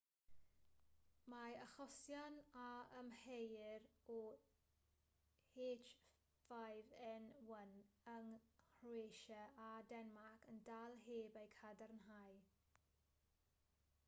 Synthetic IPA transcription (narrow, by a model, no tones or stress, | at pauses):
maəχɔsjanaəmhejrɔ | eːt͡ʃ | fajvɛnwənəŋhrweʃəadɛnmakʰəndalˠɦeːbejkʰadarnɦaj